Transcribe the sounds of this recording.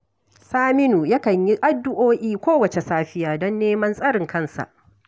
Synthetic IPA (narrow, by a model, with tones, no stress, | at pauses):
saː˦mɪ˦nuː˨ja˦kɐ˨ɲji˦ʔa˦dːʊ˦ʔoː˦ʔiː˦kʷoː˦wɐ˨t͡ʃe˨saː˦ɸɪ˦jaː˨dɔ˦nːeː˦mɐ˦nsʼɐ˦ɽɪ˨ŋkɐ˦nsa̰˨ʔ